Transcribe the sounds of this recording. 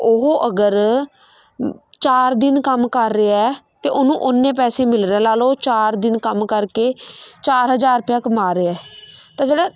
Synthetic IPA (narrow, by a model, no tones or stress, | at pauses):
ʊɦoːʔəɡəɾ | t͡ʃaːɾd̪ɪnkəmkəɾːeːɛːt̪eːʔʊnũːʔʊnːẽːpɛːsẽːmɪlɾeɛ̃ːlaːloːt͡ʃaːɾd̪ɪnkəmkəɾkeːt͡ʃaːɾɦəd͡ʒaːɾpjãːkmaːɾeːɛːt̪ãːd͡ʒeːɽɛː